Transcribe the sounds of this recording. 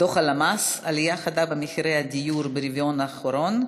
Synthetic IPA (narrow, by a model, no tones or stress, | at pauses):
oχalamasalijaχad̪abemiχiɾejhad̪ijuɾbeɾivjonaχoɾon